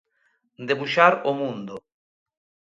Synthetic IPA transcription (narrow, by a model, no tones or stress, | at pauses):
d̪ebuʃaɾomũnd̪ʊ